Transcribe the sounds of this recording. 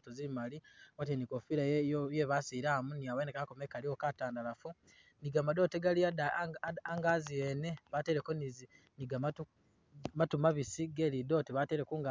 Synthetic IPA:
tozimaliwat̬ienikofiɾajjeβasiɾaːmuniawenekakomekalio̞kataːndalafu | niɡamado̞ːteɡaliadaŋɡazijene̞βate̞ɾe̞konizi | niɡamau | matumaβisiɡeːlido̞ːteβate̞ɾekuːŋɡa

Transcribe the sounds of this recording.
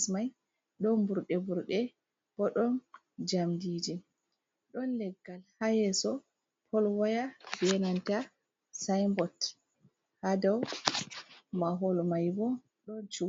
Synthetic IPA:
smaj | ɗɔnbuɾɗɛbuɾɗɛ | b̥ɔɗɔn | d͡ʒamdid͡ʒi | ɗɔnlɛɡːalhajɛsɔ | pʰɔlwajabɛnanta | sajmbɔt | hadaw | maɦɔlmajbɔ | ɗɔnt͡ʃu

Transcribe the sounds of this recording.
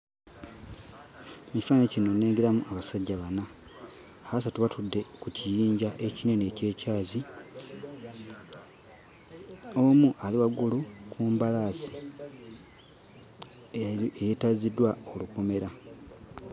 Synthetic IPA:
mifaːnecino̞ne̞ːŋɡeɾamuʔaβasaɟːaβanaː | βas̬atuβatudːe̞kucijiːɲɟaʔe̞cine̞ne̞ce̞ːcaːzi | o̞muʔaliwaɡulukʰuːmbalaːsi̥ | ejetazidwao̞luko̞me̞ɾa

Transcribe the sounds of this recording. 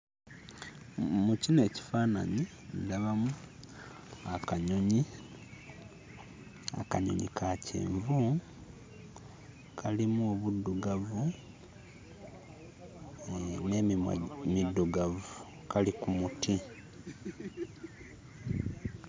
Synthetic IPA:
mucine̞ːci̥faːna̰ɲi | daβamu | akaɲo̞ɲi | a̰kaɲo̞̰ɲḭkʰacḭːɱvu | kʰalimuoβudːuɡavu | nemidːuɡavu | kalikumuti

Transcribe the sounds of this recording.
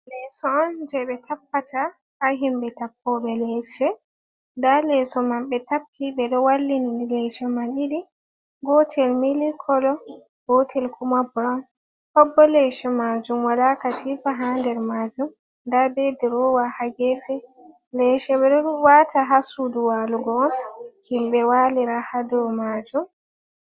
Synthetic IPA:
lɛsɔːnd͡ʒɛɓɛtʰapːata | haɦimbɛtapːɔɓɛlɛʃɛ | ndalɛsɔmanɓɛtapːibɛɗɔwalːininilɛʃɛmaniɗi | ɡɔtʰɛlmilikʰɔlɔ | ɡotʰɛlkumabuɾan | hɔbːɔlɛʃɛmad͡ʒumwalakatʰifaɦandɛɾmad͡ʒum | ndabediɾɔwahaɡɛfɛ | lɛʃɛɓɛɗɔwatʰaɦasuduwaluɡɔnkimbɛwaliɾahadɔmad͡ʒum

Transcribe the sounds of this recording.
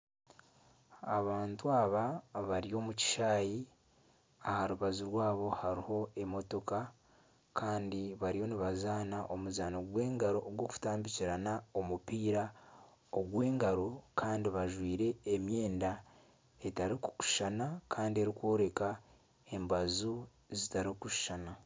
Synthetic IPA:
aβaːntuaːβaβaɾijo̞ːmuci̥ʃaːji | ahaɾuβazuɾwaːβo̞haɾiho̞e̞mo̞to̞ka | kʰaːndiβaɾijo̞niβazaːnaʔo̞muzaːnoɡwe̞ːŋɡaɾo̞ːɡwo̞ːku̥taːmbiciɾanao̞mupiːɾa | oɡwe̞ːŋɡaɾo̞kʰaːndiβaʒwiːɾe̞ːmje̞ːnda | e̞taɾiku̥ku̥ʃanakʰaːndie̞ɾikwo̞ːɾe̞ka | e̞mbazu | zitaɾikuʃʃana

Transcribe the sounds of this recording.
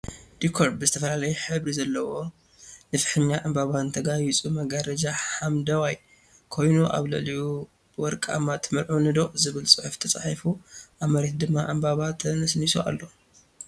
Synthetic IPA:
d̪̥ikʰoɾbɨzɨt̪ʰɐfɐlalɐjuħɨβɾizɐlːɐwo̞ | nɨfɨ̥ħɨɲːaʔɨmbaβant̪ʰɐɡajit͡sʼumɐɡaɾɐd͡ʒaħamd̪ɐwaj | kʰo̞jnuʔa̰βlɨliju | bɨwɔɾkʼa̰mːat̪ʰɨmɨɾʕunɨd̪oχʼzɨβɨlt͡sʼɨħft̪ʰɐt͡sʼaħifuʔaβmɐɾet̪̚d̪ɨmːaʔɨmbaβat̪ʰɐnɐsnisuʔa̰lːo̞

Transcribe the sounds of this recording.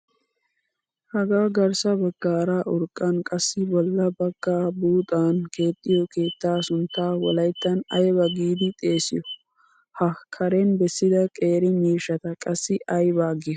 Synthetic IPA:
hɐɡaːɡɐɾsɐbɐɡːaːɾaːʔʊɾkʼːɐnkʼɐsːɪbɔlːɐbɐɡ̥ːaːbuːt̪ʼaːnke̞ːt̪ʼːɪjɔke̞ːt̪ːaːsʊnt̪ːaːwɔ̰lɐjt̪ːɐnɐjbɐɡiːd̪ɪt̪ʼe̞ːsɪ̰jɔ | hɐkʰːɐɾɛnbɛsːɪd̪ɐkʼe̞ːɾɪmiːʃɐt̪ɐkʼɐsːɪʔɐjbaːɡɪjɐ

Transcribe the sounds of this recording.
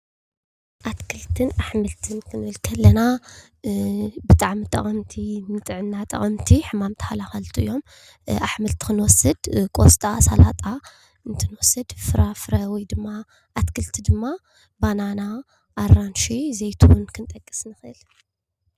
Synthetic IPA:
ʔat̪kʰɨlt̪ʰɨnaħmɨlt̪ʰɨnkʰɨnɨɨlkʰɐlːɐna | bɨt̪ʼaʕmit̪ʼɐ̰χʼɐmt̪ʰinɨt̪ʼɨʕɨnːat̪ʼɐ̰χʼɐmt̪ʰiħɨmamt̪ʰɐ̥halaxalt̪ʰuʔijːo̞m | ʔaħmɨlt̪ʰi̥xɨnwɔsɨd̪kʼo̰st̪ʼasalat̪ʼa | ɨnt̪ʰɨnwɔsɨd̪fɨɾafɨɾawid̪ɨmːa | ʔat̪kʰɨlt̪ʰid̪ɨmːa | banana | ʔːrːanʃizejt̪ʰuwʊnkʰɨnt̪ʼɐkʼːɨ̥snɨxɨ̰l

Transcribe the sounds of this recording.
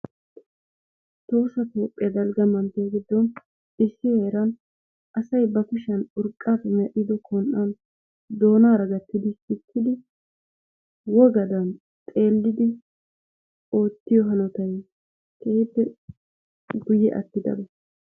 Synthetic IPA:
t̪o̞ːsɐt̪o̞ːpʼːɪjɐd̪ɐlɡɐmɐnt̪ejɡɪd̪ːɔn | ɪsːɪheːɾɐn | ʔɐsɐjbɐkʊʃɐnʊɾkʼːaːfɛmɛʔɪd̪ɔkʰɔnʔɐn | d̪o̞ːnaːɾɐɡɐt̪ːɪd̪ɪhɪkʰːɪd̪ɪ | wɔɡɐd̪ɐn | t̪ʼe̞ːlːɪd̪ɪ | o̞ːt̪ːɪjɔɦɐnɔt̪ɐj | kʰeib̪ːɛ | ɡʊjːɛʔɐ̰t̪ːɪd̪ɐ̰bɔ

